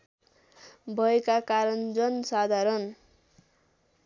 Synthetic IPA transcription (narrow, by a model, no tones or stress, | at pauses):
bʱʌekakaɾʌnd͡zʌnsad̪ʱaɾʌn